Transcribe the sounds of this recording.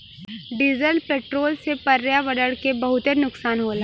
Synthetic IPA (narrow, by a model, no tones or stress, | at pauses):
ɖiːzəlpeːʈɾoːlsepɐɾjaʋɐɖəɽkebɐɦʊt̪enʊksaːnɦoːl